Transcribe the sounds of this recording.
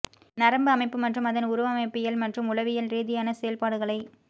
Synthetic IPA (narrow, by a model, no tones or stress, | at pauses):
nɐɾɐmbɯɐmɐɪpːɯmɐʈrɯmɐðɐnʊɾʊʋɐmɐɪpːɪjɐlmɐʈrɯmʊlɐʋɪjɐlɾiːðɪjaːnɐsɛjɐlpaːɽɯɣɐɭɐɪ